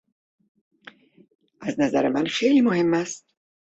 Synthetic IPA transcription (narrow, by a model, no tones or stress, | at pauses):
ʔæznæzæɾemænxejliːmohe̞mːæst̪̚